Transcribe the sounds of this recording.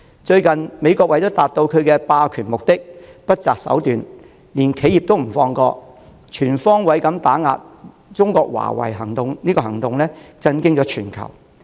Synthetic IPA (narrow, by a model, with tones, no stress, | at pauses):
t͡ʃɵ˧ɥkɐ˨nme˨˧jkɔː˧k̚wɐ˨˥jt̪o˥t̪aː˨t̚t̪o˧wkʰɵ˨˧ɥkɛː˧paː˧kʰyː˨˩nmʊ˨k̚t̪ɪ˥k̚pɐ˥t̚t͡saː˨k̚sɐ̰˨˥wt̪yː˨˩n | liː˨˩nkʰe˨˥ji˨p̚t̪o˥wm̩˨˩fɔː˧ŋkɔː˧ | t͡ʃʰyː˨˩nfɔː˥ŋwɐ˨˥jkɐ˨˥mt̪aː˨˥ŋa̰ː˨˧t̚ | t͡sʊ˥ŋkɔː˧k̚wa̰ː˨˩wɐ̰˨˩jɦɐ˨˩ŋt̪ʊ˨ŋniː˥kɔː˧hɐ˨˩ŋt̪ʊ˨ŋlɛː˥t͡sɐ˥nkɪ˥ŋt͡ʃɔː˨˥t͡ʃʰyː˨˩nkʰɐ̰˨˩w